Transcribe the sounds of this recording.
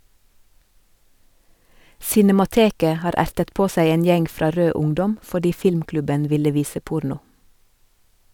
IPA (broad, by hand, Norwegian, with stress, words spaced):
sɪnɛmɑˈteːkə ˈhɑːɾ ˈæɾtət ˈpoː ˈsæɪ ˈeːn ˈjɛŋ ˈfɾɑː ˈɾøː ˈʊŋdɔm fɔˈɖiː ˈfɪlmˌklʉbən ˈʋɪlə ˈʋiːsə ˈpʊɾnʊ